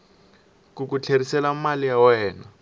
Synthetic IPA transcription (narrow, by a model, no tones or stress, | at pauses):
kuk̬ut͡ɬʰeɾisɛlamalijawɛːna